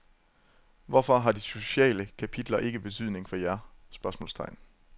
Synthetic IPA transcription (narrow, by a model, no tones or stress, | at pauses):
ʋɒfɒ̽ɦɑ̈d̥iso̝ɕɛ̰ːləkʰæpʰid̥lɐʔe̝ɡ̥əb̥e̝t͡sʰyð̞̰ˠne̝ŋfɒ̽jæɐsb̥ɶɐsmɔ̰̽ːlst͡sʰɑ̈ɪ̰n